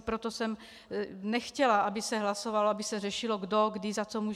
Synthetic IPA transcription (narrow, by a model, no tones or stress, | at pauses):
pɾot̪o̞sɛm | nɛxcɛlaʔabɪsɛɦlaso̞valoabɪsɛr̝ɛʃɪloɡdo̞ɡdɪzat͡so̞muː